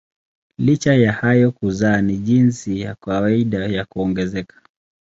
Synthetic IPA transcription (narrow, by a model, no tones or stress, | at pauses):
lit͡ʃajahajɔkuzaːniʄinsijakawaiɗajakuɔŋɡɛzɛkḁ